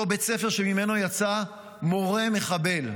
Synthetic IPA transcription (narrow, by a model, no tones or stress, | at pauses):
obet͡se̞fe̞ʁʃemime̞no̞jat͡sa | mo̞ʁe̞me̞χabe̞l